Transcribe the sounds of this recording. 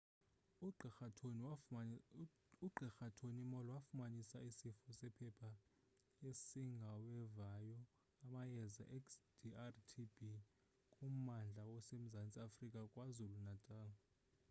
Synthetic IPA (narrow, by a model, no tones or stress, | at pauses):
uǃʱɛxatʰonimɔlɔwafumanisaisifusɛpʰɛpʰa | esiŋɡʱawɛvajɔ | amajɛza̰ʔɛksd̥iartʰibi | kʼum̩mand͡ɮʱawɔsem̩zant͡sʼiafrikʼakʼwazulunatʼaːwɔ